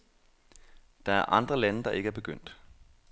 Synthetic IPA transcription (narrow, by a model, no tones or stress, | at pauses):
d̥ɑ̈æɐʔɑ̈nd̥ʁɐlænəd̥ɑ̈ʔe̝ɡəæɐb̥e̝ɡ̥øn̰d̥